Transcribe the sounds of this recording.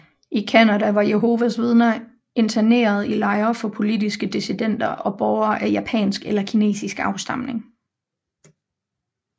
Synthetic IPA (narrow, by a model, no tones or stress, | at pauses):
ʔikʰænædæʋɑ̈jeɦo̝ʋæsʋeð̞ˠnɐ | e̝nt͡sʰæne̝̰ːɐð̞̩ˠilɑ̈ɪɐfɒ̽pʰo̝lidisɡ̥əd̥isid̥en̰d̥ɐʔɒ̽b̥ɒʊɐːʔæjæpʰɛ̰ːnsɡ̥elɐkʰine̝̰ːsisɡ̥ɑ̈ʊsd̥ɑ̈m̰ne̝ŋ